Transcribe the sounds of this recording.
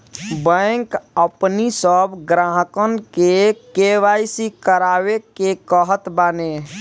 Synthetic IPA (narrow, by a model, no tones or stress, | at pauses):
bə̃ŋkəpnisəbʱɡɾaɦəkənkekeʋajsikəɾawekekəɦət̪bane